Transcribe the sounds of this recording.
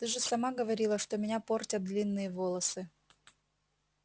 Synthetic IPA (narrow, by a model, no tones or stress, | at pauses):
t̪ɨʐɨsɐmaɡəvɐɾʲilˠəʂt̪omʲɪnʲapo̞rtʲət̪̚d̪lʲinːɨjəvolˠəsɨ